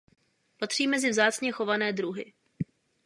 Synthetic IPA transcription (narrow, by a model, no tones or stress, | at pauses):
pat̪r̥iːmɛzɪvzaːt͡sɲɛxo̞vanɛːd̪ɾuɦɪ